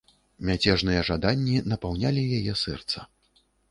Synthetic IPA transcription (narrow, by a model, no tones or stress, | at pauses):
mʲat͡sʲɛʐnɨjɐʐad̪anʲːinɐpawnʲalʲijajɛsɛ̰rt̪sɐ̥